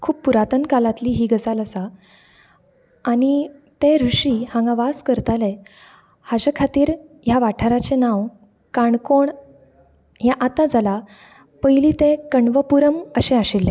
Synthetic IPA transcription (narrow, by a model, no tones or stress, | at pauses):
kʰuːppːuɾat̪ənkalat̪liːɦiːɡət͡saləsa | ɽ̃it̪ẽɾuʂihãŋɡãʋaskəɾt̪ale | had͡ʑəkʰat̪iːɾ | jaʋaʈʰaɾat͡ɕenaʋ | kaɳkoɳ | jãʔat̪ad͡zala | pəjlit̪ẽkəɳʋəpuɾəməɕẽaɕilːẽ